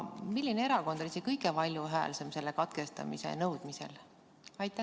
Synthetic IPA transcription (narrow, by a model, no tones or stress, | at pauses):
milʲːinee̞ɾɑko̞nd̪̥olisekɤjɡepɑlʲjuɦæːlsemse̞lːekɑt̪ke̞st̪ɑ̰mḭsḛnɤwd̪̥mise̞̰l | ɑjt̪ːˑæ